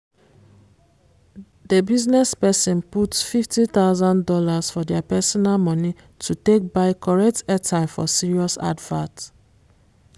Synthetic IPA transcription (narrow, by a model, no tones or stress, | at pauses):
debiznɛspɛsĩnputfiftit̪aʊzãndɔlaz̥fɔdɛapɛsɔnalmɔ̃ni | tʰutek̚baɪkɔɹɛk̚tɛtʰaɪfɔ̰siɹiɔsa̰dvãt